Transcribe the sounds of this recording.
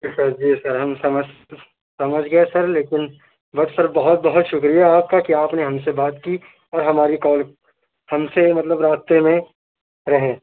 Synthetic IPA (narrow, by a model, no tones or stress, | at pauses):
isɐɾd͡ʒiːsɐɾɦɐmsɐmə | sɐməd͡ʒʱɡɐesɐɾleːkɪn | bɐd̪pɐɾbɐɦʊt̪̚bɐɦʊt̪ʃʊkɾijaːp̚kakiaːpneɦɐmsebaːt̪ki | ɔːɾɦɐmaːɾikɔːl | hɐmsemɐt̪ləbɾaːst̪emẽ | ɾɐɦẽː